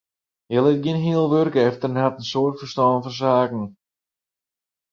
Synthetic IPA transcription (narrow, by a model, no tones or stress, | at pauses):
ɦɪlˠɪt̚ɡjɪənɦiəlˠʋørkəɛftərənhatən̩soːrtfərstɔːnfɔns̬aːkn̩